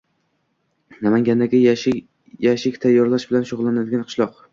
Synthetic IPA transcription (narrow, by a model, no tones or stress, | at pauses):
namaŋɡʲand̪aɡʲa | jaʃɪkʲt̪ʰajːɒɾlaʃbɪlanʃʊʁlˠːanad̪ɪɡʲanqʰɨ̥ʃlˠɒq